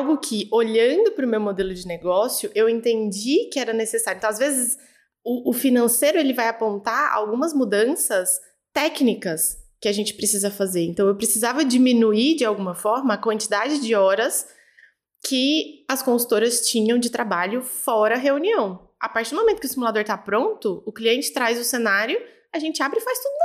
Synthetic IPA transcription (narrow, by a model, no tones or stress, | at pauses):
awɡʊkʰɪoʎɐ̃d̪ʊpɾʊmewmod̪elʊd͡ʒɪneɡɔsjʊʔewẽnt̪ẽnd͡ʒikɪɛɾɐnesesaɾjẽt̪ɐ̃azvezɪs | ʊːfinɐ̃sejɾʊelɪvajapõnt̪aɾa̰wɡũmɐzmud̪ɐ̃sɐs | t̪ɛknikɐskɪaʒẽnt͡ʃɪ̥pɾesizɐfazeɾẽnt̪ɐ̃w̃ewpɾesizavɐd͡ʒimĩnuiɾd͡ʒɪawɡũmɐfɔɾmɐːkwɐ̃nt͡ʃid̪ad͡ʒɪd͡ʒɪɔɾɐs | kʰɪɐskõsu̥t̪oɾɐst͡ʃĩɲɐ̃w̃d͡ʒɪt̪ɾabaʎʊfɔɾɐɐɦeuniɐ̃w̃ | apaɾt͡ʃiɾd̪ʊmomẽnt̪ʊkɪʊsimulad̪oɾt̪apɾõnt̪ʊʊkliẽnt͡ʃɪ̥t̪ɾajzʊsenaɾjʊ | aʒẽnt͡ʃɪabɾɪfajst̪ud̪ʊ